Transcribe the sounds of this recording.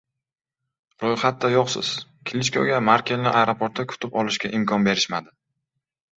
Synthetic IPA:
ɾojχat̪̚d̪ajoqsɪ̰z̥kʲʰɪlʲɪt͡ʃkʲʰo̰ɡʲamaɾkʲelnɪʔajɾopʰoɾt̪ːakʰʊ̥t̪ʰɪpɒlɪʃkʲaʔɪmkʰɒnbe̞ɾɪʃmad̪ɪ

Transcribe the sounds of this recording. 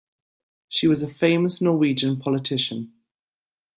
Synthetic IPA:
ʃiwɒzəfẽɪ̃məsnɔːwiːd͡ʒə̃npʰɒlɪtʰɪʃə̃n

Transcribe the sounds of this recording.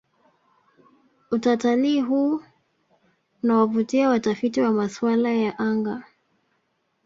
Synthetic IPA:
utataliɦuː | nawavutiawatafitiwamaswalajaʔaŋɡa

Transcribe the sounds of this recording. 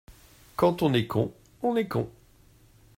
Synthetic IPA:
kɑ̃t̪ɔ̃nɛkʰɔ̰̃ | ɔ̃nɛkɔ̃

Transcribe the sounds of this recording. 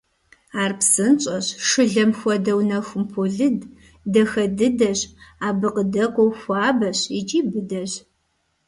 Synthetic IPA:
aːrpsɨnt͡ʃʼɐɕʂɨɮɐmxʷɔdɐwnɐxʷʊmpʰoɮɨd | dɐxɐdɨdɐɕaːbɨqədɐqʷʼɔwxʷɑːbɐɕit͡ʃʼiːbɨdɐɕ

